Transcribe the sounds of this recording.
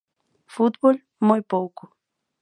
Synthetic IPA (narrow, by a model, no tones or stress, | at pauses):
fut̪bol | mojpowkʊ